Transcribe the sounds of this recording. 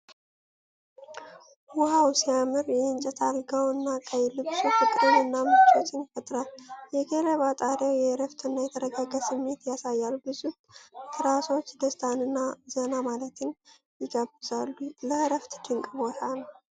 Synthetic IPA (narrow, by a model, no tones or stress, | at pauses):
hʊhawsijamɨɾjɛɪnt͡ʃʼɛt̪ʰalɡəwɨnːakʼəjlɨβsufɨkʼɾɨnɨnːamɨt͡ʃʼo̞t͡ʃːɪnfət̪ʼɾaljɛɡeləβat̪ʼaɾawjɛɾəft̪ʰɨnːajɛt̪ʰəɾəɡaɡəsɨmːe̞t̪jasajːalubɨzut̪ʰɾaso̞t͡ʃːd̪əst̪ʰanɨnːaz̥ənamalət̪ʰɪn | jɪɡəbɨzalːuləɾəft̪d̪̥ɨŋkʼɨbot̪ʰanəw